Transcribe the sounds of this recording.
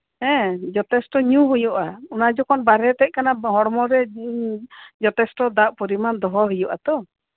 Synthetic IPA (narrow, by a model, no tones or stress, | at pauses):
ɦɛ̃d͡ʒɔt̪ɛsʈɔɲuɦujɔʔaunad͡ʒɔkʰɔnbaɾɛt̪ɛc̚kanaɦɔɽmɔɾɛ | d͡ʒɔt̪ɛsʈɔd̪aʔpɔɾimand̪ɔɦɔɦijɔʔa̰t̪ɔ